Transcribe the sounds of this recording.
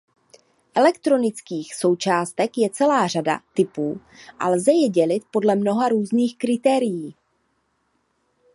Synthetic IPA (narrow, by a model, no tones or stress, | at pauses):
ʔɛlɛkt̪ɾo̞nɪt͡skiːxsowt͡ʃaːst̪ɛkjɛt͡sɛlaːr̝ada̰t̪ɪpuː | ʔa̰lzɛjɛɟɛlɪt̪̚po̞dlɛmno̞ɦaɾuːzniːxkɾɪt̪ɛːɾɪjiː